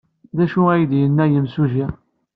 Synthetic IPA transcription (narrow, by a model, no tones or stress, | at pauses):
ðæʃuæjd̪jənːæjəmsuʒi